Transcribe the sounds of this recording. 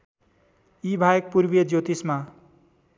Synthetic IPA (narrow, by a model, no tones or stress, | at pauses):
ibʱajʌk̚purbijʌd͡zjot̪isma